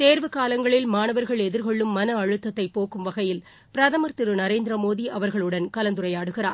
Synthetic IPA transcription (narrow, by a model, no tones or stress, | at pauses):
t̪eːɾʋɯkaːlɐŋɡɐɭɪlmaːnɐʋɐɾɣɐɭɛðɪɾkɔɭːɯmːɐnɐɐɻɯt̪ːɐt̪ːɐɪpːoːkɯmʋɐɣɐjɪl | pɪɾɐðɐmɐɾt̪ɪɾɯnɐɾeːnd̪ɪɾɐmoːðiʔɐʋɐɾɣɐɭɯɽɐnkɐlɐnd̪ɯrɐjaːɽɯɣɪra̰ːɾ